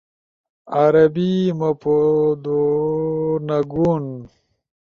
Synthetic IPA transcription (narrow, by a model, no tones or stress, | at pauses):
aɾɐbimɐpod̪o | nɐɡun